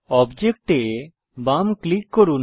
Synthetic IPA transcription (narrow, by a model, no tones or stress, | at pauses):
ɔbd͡ʒek̚ʈe | bamklikːɔɾun